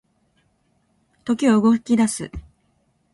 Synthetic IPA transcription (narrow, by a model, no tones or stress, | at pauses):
t̪o̞kʲioɯɡo̞kʲi̥kʲid̪asɨ̰